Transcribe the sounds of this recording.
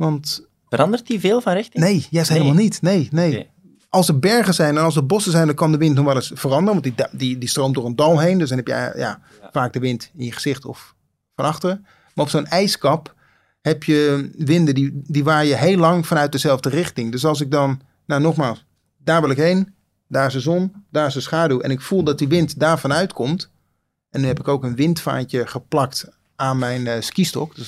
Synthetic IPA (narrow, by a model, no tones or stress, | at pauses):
ʋɑnt | ərɑndərtdivɪːlˠvɑnrɪxtnejjɛstɦeɪləmaːlˠnitnejnej | ɑlˠsəɹbɛɹχəzɛjnɛnɑlˠsəbɔsəzɛjndɑnkɑndəʋɪntnɔχʋɛlˠɪsfərɑndərəʋɑntddidistrowmtdʊɹəndɑlˠɦejndøsdɑnɦɛpjə̰ja̰ː | faːɡ̚dəʋɪntɪnjəχəz̥ɪχtɔ̰f | fɑnɑχtərə | maːrɔpsoːnɛjskɑp | hɛpjəʋɪndədidiʋaːrjəɦejlːɑŋfɑnœɥt̚dəzɛlˠvdərɪχtɪŋdøs̬ɑlˠs̬ɪɡ̚dɑn | nanɔχmaːlˠs | daːɹʋɪlˠɪkɦejn | daːɹsəzɔndaːɹsəsχaːduɛ̰nɪkfulˠdɑt̚diʋɪntdaːɹvɑnœɥtkʰɔmt | ɛnyɦɛpɪkowkənʋɪntfa̰ːnt͡ʃəχəplɑkt | aːnmɛjnskistɔ̰kds